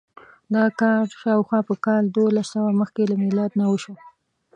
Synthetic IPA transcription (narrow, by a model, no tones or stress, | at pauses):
d̪ɑkɑʈʃɑwxwɑpəkɑld̪olasːawaməxkelamɪlɑd̪nawəʃwə